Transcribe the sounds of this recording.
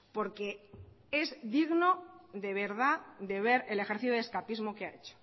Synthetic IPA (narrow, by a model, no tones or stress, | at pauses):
po̞ɾke̞ | e̞zðiɣnoðe̞β̞e̞ɾðad̪e̞β̞e̞ɾe̞le̞xeɾθit̪oe̞skapizmo̞keaḛt͡ʃo̥